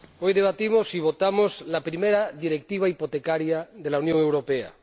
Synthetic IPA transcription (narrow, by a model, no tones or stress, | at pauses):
pojðeβat̪imosiβ̞ot̪amoslapɾimeɾaðiɾek̚t̪iβ̞aipot̪ekaɾjaðelaunjõŋewɾopea̰